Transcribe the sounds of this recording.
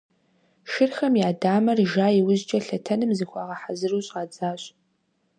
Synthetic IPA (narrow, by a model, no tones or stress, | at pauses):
ʃɪrxɐmjaːdaːmɐrʒaːiwʊzt͡ʃʼɐɬɐtʰɐnɨmzɨxʷɑːʁɐħazɨruɕʼaːd͡zaːɕʼ